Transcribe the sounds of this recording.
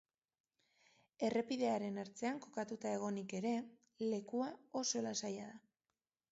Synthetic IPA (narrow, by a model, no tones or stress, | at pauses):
e̞re̞piðe̞aɾe̞naɾt͡se̞aŋko̞kat̪ut̪ae̞ɣ̞o̞nike̞ɾe̞ | le̞kuao̞so̞elasajaða